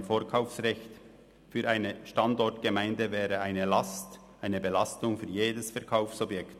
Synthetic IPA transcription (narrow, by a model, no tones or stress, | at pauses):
nfoːɐkʰaʊfsʁɛçt | fyːɾʔaɪnəʃtɑndɔɐtɡ̥əmaɪndəvɛːʁəaɪnəlɑst | ʔaɪnəbelɑstʊŋfyːɐjeːdəsfɛɐkʰaʊfsɔbjɛkt